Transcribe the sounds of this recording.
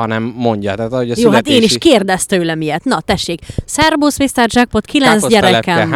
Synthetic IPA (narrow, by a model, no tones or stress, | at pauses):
ɒnɛmːoɲɟɒ̰t̪aːt̪ɒhoɟɒjoːat̪eːniʃkeːrd̪ɛst̪øːlɛmijɛt̪nɒt̪ɛʃːeːksɛrboːsmist̪ɛrʒak̚pot̪kʰilɛnzɟɛɾɛkɛ